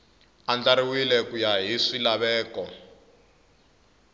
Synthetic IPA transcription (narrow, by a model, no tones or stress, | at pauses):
and͡ɮaɾiwilɛkujaɦiʂilaβɛːkɔ